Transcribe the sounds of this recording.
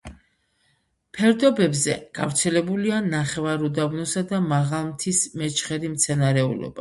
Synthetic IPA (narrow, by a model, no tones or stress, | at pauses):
pʰɛɾd̪ɔbɛbzɛ̰ɡ̥avɾt̪sʰɛlɛbulianaχɛvaɾud̪abnɔsad̪amaʁalˠmt̪ʰismɛt͡ʃʰχɛɾimt̪sʰɛnaɾɛṵlɔ̰ba̰